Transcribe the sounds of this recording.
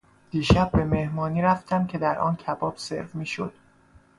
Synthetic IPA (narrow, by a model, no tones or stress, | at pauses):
d̪̥iːʃæb̚ːe̞me̞hmɒːniːɾæft̪ʰæmcʰe̞d̪æɾʔɒ̰ːncʰæbɒːb̥se̞̰ɾvmiːʃo̰d̪̥